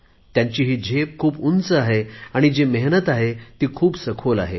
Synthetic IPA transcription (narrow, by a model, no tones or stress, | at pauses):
t̪jãɲt͡ɕiːɦiːd͡ʑʱep̚kʰuːpunt͡səaɦeaɽ̃id͡ʑemeɦnət̪aɦet̪iːkʰuːbsəkʰola̰ɦe